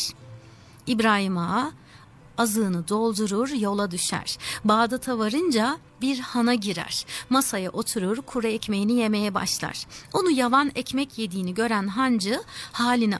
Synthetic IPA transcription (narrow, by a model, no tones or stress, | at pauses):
ibɾaːɦima | azɯːnɯd̪o̞lˠd̪uɾuɾjo̞lˠad̪yʃæ̰ɾ̥baːd̪at̪ʰavaɾɯnd͡ʒa | biɾhanaɟiɾæ̰ɾ̥masajaʔo̞t̪ʰuɾuɾkʰuɾɛɛcme̞jinije̞me̞jɛba̰ʃlˠa̰ɾ̥o̞nujavanɛcmɛcje̞d̪iːniɟø̞ɾænɦand͡ʒɯhaːlʲini